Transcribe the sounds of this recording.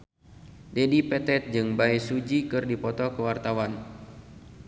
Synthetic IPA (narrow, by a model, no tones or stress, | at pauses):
dɛdipɛt̪ɛt̪̚d͡ʒɨŋbaɛsud͡ʒikɨrdipɔt̪ɔkəwart̪awan